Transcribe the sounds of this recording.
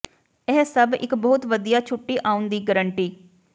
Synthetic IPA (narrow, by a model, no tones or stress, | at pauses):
ɛːsəbɪ̰kbɔːt̪ʋəd̪ijaːt͡ʃʰʊʈːiːʔaːʊnd̪iːɡəɾəɳʈiː